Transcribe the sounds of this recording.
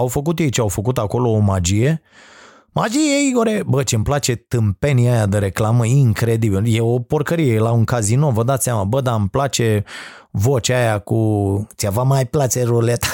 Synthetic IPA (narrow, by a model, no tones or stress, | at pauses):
awfəkut̪jejt͡ʃeawfəkut̪ako̞lo̞ːmad͡ʒije̞ | mad͡ʒijeiɡoɾebət͡ʃemplat͡ʃe̞t̪ɨmpe̞niajad̪əɾe̞klaməiŋkɾe̞d̪ibiljeo̞po̞rkəɾijelauŋkazino̞vəd̪at̪sʲamabəd̪amplat͡ʃe̞vo̞t͡ʃʲajakut͡ʃ̪iavamajplat͡ʃeɾulet̪ḁ